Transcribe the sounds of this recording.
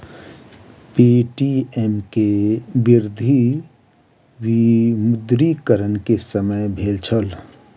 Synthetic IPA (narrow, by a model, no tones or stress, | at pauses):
piʈiemkebɪɾd̪ʱi | wimʊd̪ɾikəɾənkesəməjbʱeːlt͡ʃʰəl